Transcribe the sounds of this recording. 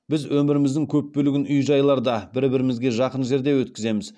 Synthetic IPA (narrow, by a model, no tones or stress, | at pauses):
bɪzwɵmɪɾɪmɪzd̪ɪŋkʲʰɵpːɵlɪɡʲɪnʊjʒɑjlˠɑɾd̪ɑbɪɾbɪɾɪmɪzɡʲe̞ʒɑqənʒe̞ɾd̪e̞wɵt̪̚kʲɪze̞mɪz